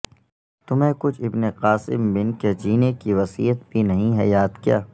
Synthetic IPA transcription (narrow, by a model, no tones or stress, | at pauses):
t̪ʊmẽkʊt͡ʃʰɪbneqaːsɪ̰mbɪnked͡ʒiːnekiʋɐsḭːət̪̚bʱinɐɦĩɦɛ̰jaːd̪kija̰ː